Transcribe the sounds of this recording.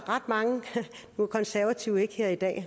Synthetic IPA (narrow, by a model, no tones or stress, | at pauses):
ʁɑd̥mɑ̈ŋə | n̥ukʰɒ̽nsæɐʋæt͡sʰiːʊe̝ɡ̥heɐ̰id̥ɛ̰ː